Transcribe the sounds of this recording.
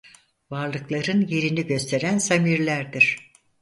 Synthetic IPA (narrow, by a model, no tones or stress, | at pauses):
vaɾlˠɯklˠaɾɯnje̞ɾiniɟø̞st̪ʰe̞ɾænsamiɾlʲæɾd̪iɾ̥